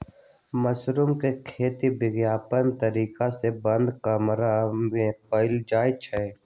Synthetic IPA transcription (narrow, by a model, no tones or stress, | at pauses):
məsɾumkekʰeːt̪ibɪɡjaːpənt̪əɾiːkasebə̃nd̪kəmɾaẽːəɪld͡ʒaːjt͡ʃʰə